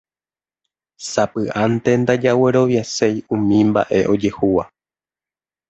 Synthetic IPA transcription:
sapɨʔant̪e̞nd̪ad͡ʒaweɾo̞ʋjasejũmĩmba̰ʔe̞ʔo̞d͡ʒe̞huwa

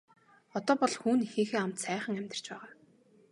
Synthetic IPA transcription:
ɔt̪ɔːpɔɮxuːnixeːxeːam̥t̪sæːχə̆ŋæmʲt̪̆r̥t͡ɕpæːʁaː

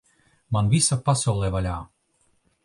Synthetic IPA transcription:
manvisapasawlˠɛvalʲaː

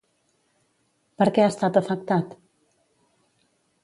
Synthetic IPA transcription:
pəɾkɛast̪at̪əfək̚t̪at̪

